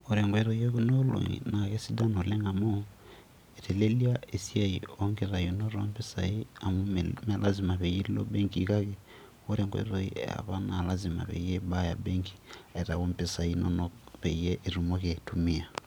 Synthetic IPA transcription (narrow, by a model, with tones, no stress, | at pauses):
o˨ɾɛ˨ŋɡwe˦ɾo˨jeku˦no˦lo̰˨ŋḭ˨na˨ke˦si˦da˦no˨le˦ŋɡa˨mo˦ | e˨te˨le˦lia˦e˨si˦ai˨oŋɡe˨ɾa˨jo˨no˦ɾompe˦sa˨i˦a˨mu˦me˨lʔazi˨ma˨βe˨ji˦lilo̰˦be˦ŋkika˦ke | o˦ɾɛ˨ŋɡwḛ˦ɾoḭ˦a̰˨βa˦na˨la˦zima̰˨βḛ˨jeba˦ja̰˨be˦ŋkʰi̥˨e˨ɾa˨ɣo˦mpe˦sa˨inonoβe˨jɛ˦ʔi˨ɾu˨moke˨tumia˨